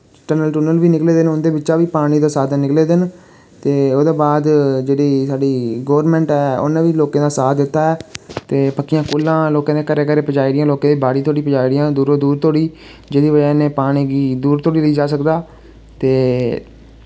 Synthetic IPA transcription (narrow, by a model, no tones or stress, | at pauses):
ʈənəlʈuːnəlʋiːnɪkleːd̪ɪnʊnd̪eːbɪt͡ʃʃaːʋiːpaːɽ̃iːd̪aːsaːd̪nɪkleːd̪ɪn | t̪eːoːd̪ẽːbaːd̪d͡ʒeːɽiːsaːɖiːɡoːɾmɛ̃ːɳʈɛːʊ̰nẽːʋiːloːkãːd̪aːsaːd̪ɪt̪ːaːɛːt̪eːpəkːɪjãːkuːlãːloːkãːd̪eːkəɾeːkəɾeːpəd͡ʒaːiɾɪjãːloːkãːd̪iːbaːɽiːt̪ʰoːɽiːpəd͡ʒaːiːɾɪjãːd̪uːɾoːd̪uːɾt̪oːɽiː | d͡ʒeːd̪iːʋəd͡ʒaːneːpaːɽ̃iːɡiːd̪uːɾt̪oːɽiːləiːd͡ʒaːs̬əkd̪aː | t̪eː